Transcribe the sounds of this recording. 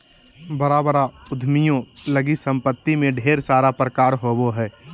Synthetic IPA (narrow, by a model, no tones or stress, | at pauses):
bəɾaːbəɾaʊd̪ʱmijõləɡisə̃mpət̪ːimẽɖʱeːɾsaːɾapɾəkaːɾɦoːboɦɛː